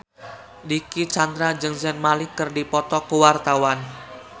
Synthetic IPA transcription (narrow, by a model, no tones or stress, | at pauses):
dikit͡ʃand̪ɾad͡ʒɨŋsɛnmalɪkːɨrdipɔt̪ɔkəwart̪awan